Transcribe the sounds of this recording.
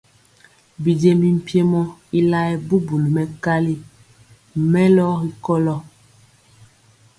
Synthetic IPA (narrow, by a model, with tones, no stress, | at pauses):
bi˨d͡ʒe˨mi˨m̩˨pi˦e˦mɔ˦i˦la˦ɛ˨bu˦bu˨lu˨mɛ˨ka˦li˦ | mɛ˦lɔ˦ɣi˦kɔ˦lɔ˦